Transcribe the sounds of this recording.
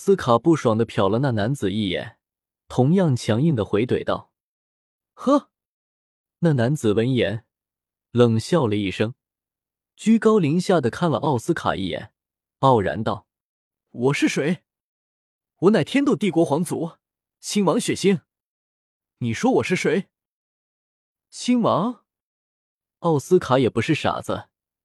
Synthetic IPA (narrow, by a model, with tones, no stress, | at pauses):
sɹ̩˥kʰa˨˩pu˥˩ʂwɑ˨˩ŋd̪ə˦pʰjɑ˨˩ʊlə˦na˥˩na˧˥nt͡sɹ̩˨˩i˥˩jɛ̰˨˩n | t̪ʰʊ˧˥ŋjɑ˥˩ŋt͡ɕʰjɑ˧˥ŋi˥˩ŋd̪ə˩xwe˧˥ɪt̪we˨˩ɪt̪ɑ˥˩ʊ | xɤ˥ | na˥˩na˧˥nt͡sɹ̩˨˩wə˧˥njɛ˧˥n | lɤ˨˩ŋɕjɑ˥˩ʊlə˩i˥˩ʂɤ˥ŋ | t͡ɕy˥kɑ˥ʊli˧˥ŋɕja˥˩d̪ə˩kʰa˥˩nlə̰˧ʔɑ˥˩ʊsɹ̩˥kʰa̰˨˩ḭ˥˩jɛ̰˨˧˩n | pɑ˥˩ʊɻa̰˧˥nt̪ɑ˥˩ʊ | wɔ˨˩ʂɻ̩˥˩ʂwe˧˥ɪ | wɔ˧˥na˥˩ɪt̪ʰjɛ˥nt̪u˥˧t̪i˥˩kwɔ˧˥xwɑ˧˥ŋt͡su˧˥ | ɕi˥nwɑ˧˥ŋɕɥɛ˨˩ɕi˥ŋ | ni˨˩ʂwɔ˥wɔ˨˩ʂɻ̩˥˩ʂwe˧˥ɪ | ɕi˥nwɑ˧˥ŋ | ɑ˥˩ʊsɹ̩˥kʰa˧˥jɛ˨˩pu˧˥ʂɻ̩˥˩ʂa̰˨˩d͡zə̰˦